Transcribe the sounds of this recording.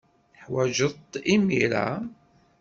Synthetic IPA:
ħwæʒət̪ˤːimiɾa̰

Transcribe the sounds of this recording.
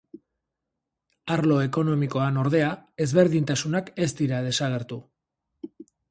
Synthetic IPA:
aɾlo̞e̞ko̞no̞miko̞ano̞ɾðe̞ae̞zβe̞ɾðint̪asunake̞st̪iɾað̞e̞saɣ̞e̞ɾt̪u

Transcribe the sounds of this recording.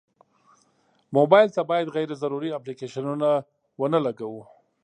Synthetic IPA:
mobɑjlt̪abɑjad̪ɣajɾezaɾuɾiaplikeʃanuna | wənalaɡawu

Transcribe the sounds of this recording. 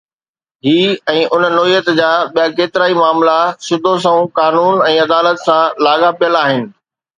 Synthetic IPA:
ɦiːɛ̃ːʔʊnnoːijət̪d͡ʑaːɓijakeːt̪ɪɾaːimaːmlasɪd̪ʱos̬ɐ̃ũkaːnuːnɛ̃ːɐd̪aːlət̪sãlaːɠapijəlaːɦɪnɪ̆

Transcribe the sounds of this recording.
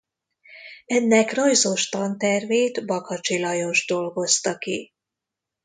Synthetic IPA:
ɛnːɛkrojzo̞ʃt̪ɒnt̪ɛrveːt̪bɒkɒt͡ʃilɒjo̞ʒd̪o̞lɡo̞st̪ɒki

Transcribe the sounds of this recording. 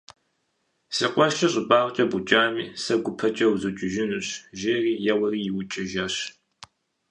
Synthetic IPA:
sɨqʷʼɔʃɐɕʼɪbaːʁt͡ʃʼɐbut͡ʃʼaːmiːsɐɡʷʊpʰɐt͡ʃʼɐwzɨt͡ʃʼɪʒɪnuɕʒeːriːjɛwɐriːjɪwʊt͡ʃʼɪʒɐɕ

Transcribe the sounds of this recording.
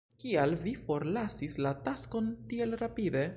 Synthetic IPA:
kialvifo̞ɾlasislatasko̞ntie̞lɾapide̞

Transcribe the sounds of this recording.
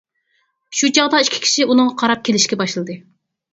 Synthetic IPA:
ʃut͡ʃʰɑʁd̪ɑiʃkʲʰi̥kʲʰi̥ʃiunɨŋʁɑqʰɑɾɑp̚kʲʰelɪʃkʲɛbɑʃlˠɨd̪ɨ

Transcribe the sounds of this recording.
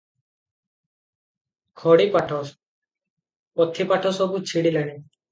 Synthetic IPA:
kʰɔɽipaʈʰɔs | pɔt̪ʰːipaʈʰɔsɔbut͡ʃʰiɽilanɛ

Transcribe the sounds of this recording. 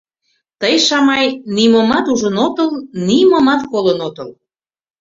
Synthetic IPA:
t̪əjʃɑmɑjnimomɑt̪uʒənot̪əlnimomɑt̪kolənot̪əl

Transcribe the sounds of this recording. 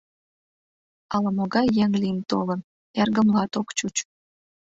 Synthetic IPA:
ɑlɑmoɡɑjːɛŋlʲint̪olɤ̆n | ærɡə̆mlˠɑt̪okt͡ɕut͡ɕ

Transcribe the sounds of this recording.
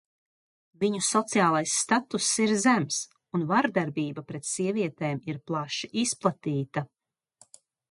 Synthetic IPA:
viɲusɔt̪sijaːlˠajsːt̪at̪usːiɾzæms | unvaɾd̪aɾbiːbapɾɛt̪siɛviɛt̪eːmiɾplˠaʃiʔisplˠat̪iːt̪a

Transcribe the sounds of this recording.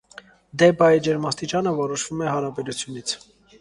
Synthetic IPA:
d̪ɛbɑjd͡ʒɛɾmɑst̪it͡ʃɑnəvɔɾɔʃv̥umɛɦɑɾɑbɛɾut͡sʰjunit͡sʰ

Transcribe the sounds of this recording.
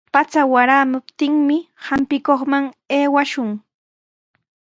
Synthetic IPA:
pat͡sawaɾaːmʊpt̪ɪŋmɪhampɪkoχmaŋeːwaʃʊŋ

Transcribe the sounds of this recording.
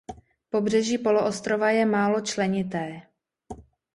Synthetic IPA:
po̞brɛʒiːpo̞loʔost̪ɾovajɛmaːlo̞t͡ʃlɛɲɪt̪ɛː

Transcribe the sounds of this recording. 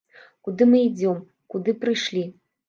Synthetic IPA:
kud̪ɨmɨid͡zʲɔm | kud̪ɨpɾɨʂlʲi

